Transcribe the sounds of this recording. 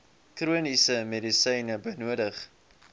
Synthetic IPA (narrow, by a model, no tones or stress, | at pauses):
kruənisəmedisəjnəbəjnuədəχ